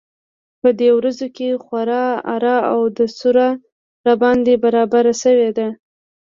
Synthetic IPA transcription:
pəd̪ewɾazokexwaɾɑa̰ɾɑawd̪əsuɾa | ɾabɑnd̪ebaɾɑbaɾaʃəwed̪a

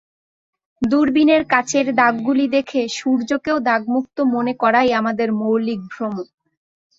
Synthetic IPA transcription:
d̪uɾbineɾkat͡ɕʰeɾd̪aɡːulid̪ekʰeʃuɾd͡ʑokeod̪aɡmuk̚t̪omonekɔɾajamad̪eɾmowlik̚bʱɾomo

